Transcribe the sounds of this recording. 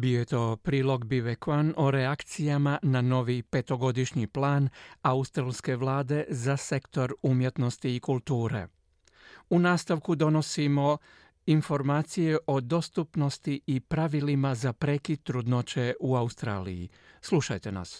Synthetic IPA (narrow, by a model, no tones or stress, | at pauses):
bijojet̪o̞ːpɾiːlo̞ɡbiʋekʋano̞ɾeakt̪sijamanano̞ʋipe̞t̪o̞ɡo̞d̪iʃɲiplaːnaust̪ɾalˠske̞ʋlˠaːd̪e̞zase̞kt̪o̞ɾumje̞t̪no̞st̪iːkulˠt̪uːɾḛ | unaːst̪aʋkud̪o̞no̞simo̞ | info̞ɾmaːt̪sije̞ʔo̞d̪o̞st̪upno̞st̪iːpɾaʋilimazapɾe̞kit̪ːɾud̪not͡ɕe̞ʔuaust̪ɾa̰ːlḭjḭ | sluʃa̰jt̪e̞na̰s